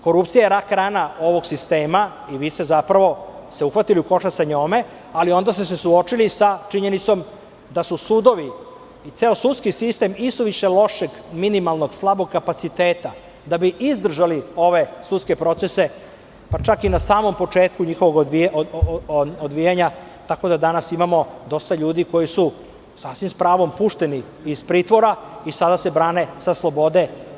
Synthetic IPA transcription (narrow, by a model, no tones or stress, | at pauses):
ko̞ɾupt̪sijaeɾakɾaːnao̞ʋo̞ɡsist̪eːma | iʋist̪ezapɾaʋo̞ | seuxʋat̪iliuko̞ʃasaɲoːme | alio̞nd̪ast̪esesuo̞t͡ʃilisat͡ʃiɲe̞nit̪so̞m | d̪asusud̪o̞ʋiː | t̪seosut̪skisist̪e̞misuʋiʃe̞lo̞ʃeɡminimalˠnoɡslˠabo̞ɡ̚kːapat̪sit̪eːt̪a | d̪abiʔizd̪r̩ʒalio̞ʋe̞sut̪ske̞pɾo̞t̪se̞se̞ | pat͡ʃakinasaːmo̞mpo̞t͡ʂe̞ːt̪kuɲixo̞ʋo̞ɡ̪ʋi | od̪ʋijaɲa | t̪ako̞d̪ad̪anasimamo̞d̪o̞st̪aʎuːd̪iko̞jisu | sasʋimspɾaːʋo̞mpuʃt̪e̞ni | iz̥pɾiːt̪ʋoɾaisad̪ase̞bɾaːne̞saslˠo̞bo̞d̪e̞